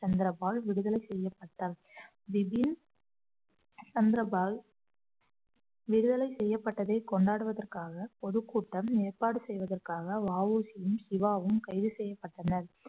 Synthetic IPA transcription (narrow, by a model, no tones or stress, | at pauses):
t͡ʃɐnd̪ɪɾɐbaːlʋɪɽɯðɐlɐɪsɛjːɐpːɐʈːaːl | ʋɪbɪn | t͡ʃɐnd̪ɪɾɐbaːl | ʋɪɽɯðɐlɐɪsɛjːɐpːɐʈːɐðɐɪkɔɳɖaːɽɯʋɐðɐrkaːɣɐpɔðɯkːuːʈːɐmneːrpaːɽɯsɛjʋɐðɐrkaːɣɐʋaːʋuːsɪjɯmsɪʋaːʋɯmkɐɪðɯsɛjːɐpːɐʈːɐnɐɾ